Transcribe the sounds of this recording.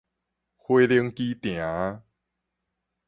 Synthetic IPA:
hwe˦li˦˧əŋki˦t̪j̃ã˨˦

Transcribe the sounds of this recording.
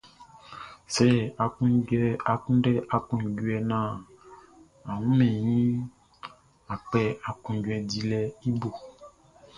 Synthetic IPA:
sɛ˦˨a˨kũ˦ɛ˦a˨kũ˦dɛ˦ʔa˨kũ˨ɡu˦ɛ˨nã˦˨ | a˨wũ˦mɛ̃˨ɲĩ˦ | a˨k͡pɛ˦a˨kũ˨ɟwɛ˨di˦lɛ˦i˦bo˨

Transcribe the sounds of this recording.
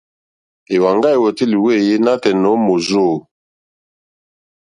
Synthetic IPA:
e˨wa˨ŋɡa˦e˨wo˨ti˦li˨we˦˨je˦na˦tɛ˨nɔ˨˦mo˨zo˦˨

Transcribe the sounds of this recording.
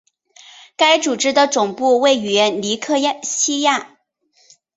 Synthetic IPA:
ka˥ɪt͡su˨˩ʈ͡ʂɻ̩˥d̪ə˨ʈ͡ʂʊ˨˩ŋpu˥˧we˥˩ɪy˨˩jɛ˧˥nli˧˥kʰɤ˥˧˥ɕi˥ja˥˩

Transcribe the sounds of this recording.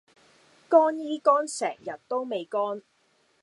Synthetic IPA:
kɔː˥njiː˥kɔː˥nsɛ̰ː˨˩ŋjɐ˨t̚t̪o˥wme˨jkɔː˥n

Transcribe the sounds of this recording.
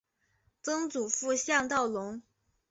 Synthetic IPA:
t͡sɤ˥ŋt͡su˨˩fu˥˧ɕjɑ˥˧ŋt̪ɑ˥˩ʊlʊ˧˥ŋ

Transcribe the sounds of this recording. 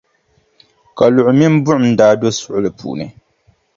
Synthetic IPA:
ka˨lʊ˨ʔʊ˨mi˦m˦bʊ˦ʔʊ˨mn̩˦daː˦do˦sʊ˦ʔʊ˦lɨ˨pṵː˨nɨ˨

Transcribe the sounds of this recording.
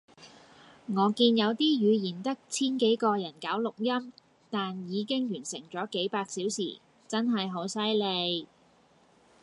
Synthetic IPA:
ŋɔː˨˧kiː˧njɐ˨˧wt̪iː˥jyː˨˧jiː˨˩nt̪ɐ˥k̚t͡sʰiː˥nke˨˥jkɔː˧jɐ˨˩nkaː˨˥wlʊ˨k̚jɐ˥m | t̪aː˨njiː˨˧kɪ˥ŋjyː˨˩nsɪ˨˩ŋt͡sɔː˨˥ke˨˥jpaː˧k̚siː˨˥wsḭː˨˩ | t͡sɐ˥nɦɐ˨jɦo˨˥wsɐ˥jle˨˧j

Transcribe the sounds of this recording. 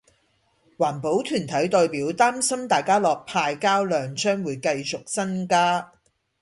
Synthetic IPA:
waː˨˩npo˨˥wt̪ʰyː˨˩nt̪ʰɐ˨˥jt̪ɔː˧jpiː˨˥wt̪aː˥msɐ˥mt̪aː˨jkaː˥lɔː˨k̚pʰaː˧jkaː˥wlœː˨˧ŋt͡ʃœː˥ŋwuː˨˧˦jkɐ˧jt͡sʊ˨k̚sɐ˥nkaː˥

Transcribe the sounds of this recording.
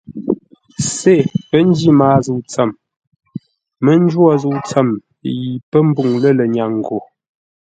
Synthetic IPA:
se˦˨pə˦n˦di˦maː˨˦zu˦˨t͡sə˨m | mə˦n˦d͡ʒwɔ˦zu˦˨t͡sə˦˨m | ji˨pə˦m̩˦bu˨ŋlə˦lə˨ɲa˨ŋ˨ɡo˨

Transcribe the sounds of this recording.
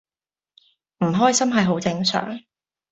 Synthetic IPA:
m̩˨˩ɦɔː˥jsɐ˥mɦɐ˨jɦo˨˥wt͡sɪ˧ŋsœ̰ː˨˩ŋ

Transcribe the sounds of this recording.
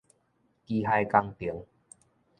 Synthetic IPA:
ki˧ɦa˧jka˧ŋt̪i˨˦ŋ

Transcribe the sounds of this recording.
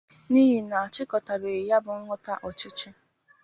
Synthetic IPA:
ni˦ɦi˨na˨a˨t͡ʃɪ˦kɔ˨ta˨be˨ja˦bʊ˨ŋ̩˦ŋɔ˦ta˦ʔɔ˨t͡ʃɪ˦t͡ʃɪ˦

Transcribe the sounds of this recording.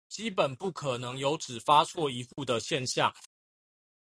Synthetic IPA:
t͡ɕi˦pə˨˩npu˥˩kʰɤ˨˩nɤ˧˦ŋjo˧˥ʊt͡sʰɹ̩˨˩fa˦sʰwɔ˥˨˩i˧˦˥xu˥˩d̪ə˨ɕjɛ˥˧nɕja˥˨ŋ

